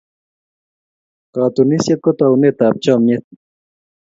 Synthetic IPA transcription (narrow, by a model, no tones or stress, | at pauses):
kaːt̪unisjet̪̚kot̪awnet̪aːp̚t͡ɕamjet̪̚